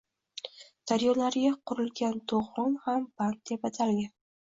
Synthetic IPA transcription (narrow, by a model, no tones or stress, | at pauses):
d̪̥aɾjɒnlaɾɪɡʲaqʰʊɾɪlɡʲant̪ʰoʁɒnhamb̥ant̪̚d̪̥epat̪ʰalɡʲan